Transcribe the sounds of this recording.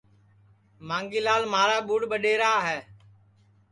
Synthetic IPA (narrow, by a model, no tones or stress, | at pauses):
mãːŋɡiːlaːlmaːɾaːɓuːɽɓəɗeːɾaːɦɛː